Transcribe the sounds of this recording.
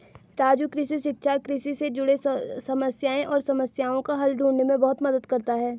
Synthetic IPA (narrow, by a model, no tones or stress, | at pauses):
ɾaːd͡ʒukɾɪʃiʃɪkʃakɾɪʃised͡ʒʊɽesɐməsjaːẽʔɔːɾsɐməsjaːõkaɦɐlɖʱũːɳnemẽbɐɦʊt̪mɐd̪əd̪kɐɾt̪aɦɛː